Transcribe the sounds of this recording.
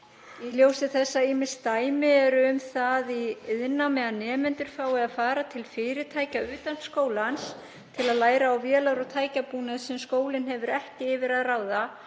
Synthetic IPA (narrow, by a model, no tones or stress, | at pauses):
iljoːwsɪθɛsːaiːmɪnst̪aːjmɪɛɾʏmθaðiɪðnamɛðanɛːmɛnt̪ʏɾ̥faːwɪaðfaːɾat̪ʰɪlfɪːɾɪt̪ʰaːjcaʏːt̪anskoːwlans | t̪ʰɪlaðlaːjɾaːwvjɛːlaɾɔɣt̪ʰaːjcapuːnaðsɛmskoːwlɪnɦɛvʏɾɛhcɪɪvɪɾaðraːwða